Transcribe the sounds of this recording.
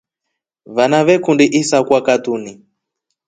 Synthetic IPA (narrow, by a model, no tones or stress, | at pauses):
βanaβɛkundiʔisakwakatuni